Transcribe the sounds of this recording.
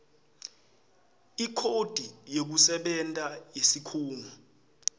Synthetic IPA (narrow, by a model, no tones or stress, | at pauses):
ikʰod̥ʱijek̬usɛɓɛntʼajesikʰuːŋu